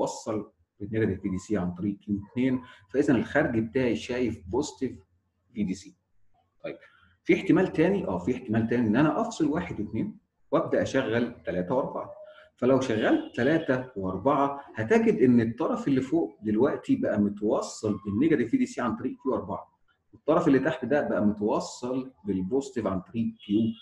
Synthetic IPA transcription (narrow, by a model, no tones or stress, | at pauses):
wɑsˤːɑl | benːeɡæelviːd̪iːsiːʕant̪ˤɑɾiːʔkiet̪neːnfæʔezænelxæɾɡbet̪aːʕiʃæːjefbost̪ev | viːd̪iːsiː | t̪ˤɑjb̥̚ | fiːeħt̪emæːlt̪æːniʔæːfiːeħt̪emæːlt̪æːniʔenːʔænæʔɑfsˤɑlwaːħed̪wet̪neːn | wʔæb̚d̪æʔæʃæɣːælt̪ælæːt̪æwʔɑɾˤbɑ̰ʕɑfælæwʃæɣːælt̪ːælæːt̪æweʔɑɾˤbɑʕɑhæt̪æɡed̪ʔenːet̪ˤːɑɾˤɑfelːifoːʔd̪elwæʔt̪ibæʔæmot̪wɑsˤːɑlbenːeɡæt̪evːiːd̪iːsiːʕant̪ˤɑɾiːʔkjuːwʔɑɾˤbɑ̰ʕɑ | wet̪ˤːɑɾˤɑfelːit̪aħt̪d̪æbæʔæmot̪wɑsˤːɑlbelbost̪evʕant̪ˤɑɾiːʔkjuː